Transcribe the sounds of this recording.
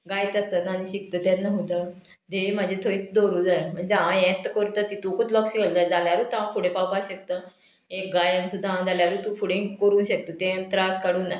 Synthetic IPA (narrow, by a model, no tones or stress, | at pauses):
ɡajt͡s̪əst̪ənañiɕik̚t̪ət̪ẽnːəɦut̪ə | d̪eim̤ad͡ʑʱet̪ʰoiːt͡sd̪oɾuːd͡zajm̤əɳd͡ʑeãjẽt̪kəɾt̪ət̪it̪ũkut̪lɔksiɡəlt̪ad͡zaljaɾut̪aãfuɽepawpaɕək̚t̪ə | ek̚ɡajãnsud̪ʱːaãd͡zaljaɾuːt̪ũfʰuɽẽkəɾũːnɕək̚t̪ət̪ẽt̪ɾaskaɽuːna